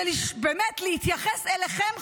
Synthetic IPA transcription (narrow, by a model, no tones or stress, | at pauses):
libemetlehit̪jaχeseleχem